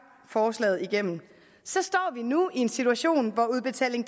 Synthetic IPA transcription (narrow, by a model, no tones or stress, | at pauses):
fɒːslɛ̰ːð̩ˠiɡ̥em̰n̩ | sɒ̽sd̥ɒ̰ːʋinuie̝nsit͡sʰuæɕo̝̰ːnʋɒuð̞ˠb̥e̝t͡sʰɛ̰ːle̝ŋ̥